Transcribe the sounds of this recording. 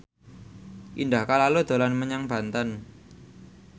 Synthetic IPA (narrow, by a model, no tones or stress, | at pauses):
ʔindahkalalod̪̥o̤lanməɲaŋb̥ä̤nt̪ən